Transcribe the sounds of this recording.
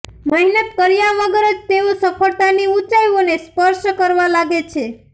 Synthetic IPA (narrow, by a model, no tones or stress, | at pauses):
məɦinət̪̚kəɾijãʋəɡəɾəd͡ʒt̪eosəfʰəɽt̪aniut͡ʃajonespəɾʃkəɾʋalaɡet͡ʃʰe